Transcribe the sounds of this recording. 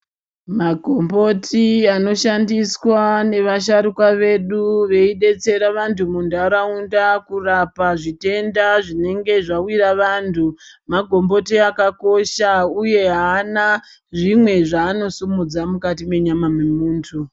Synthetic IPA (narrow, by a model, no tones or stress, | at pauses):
maɡʱo̞mbo̞tʰiano̞ʃandiswane̞ʋaʃ̬aɾukwaʋe̞ɗuʋe̞iɗe̞t͡se̞ɾaʋantʰumundaɾaundakurapaʐite̞ndaʐine̞ŋɡe̞ʐawiɾaʋantʰumaɡʱo̞mbo̞tiakako̞ʃauje̞ɦaːna | ʐimwe̞ʐaːno̞sumud͡zamukat̬ime̞ɲamamemuːntʰu